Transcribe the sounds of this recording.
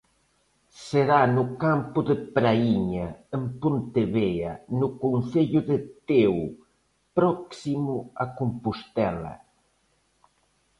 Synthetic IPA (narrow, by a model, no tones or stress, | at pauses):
seɾanʊkampʊðɪpɾaiɲɐempont̪eβeɐnʊkonθeʎʊðɪt̪ew | pɾɔksimʊakompʊst̪ɛlɐ̰